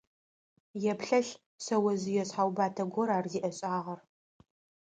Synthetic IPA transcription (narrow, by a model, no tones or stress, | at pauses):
jɛpɬɐɬ | sɐwɐzɨjɛɕħawbaːtʰɐɡʷɔɾaːrziːʔɐɕʼaːʁɐr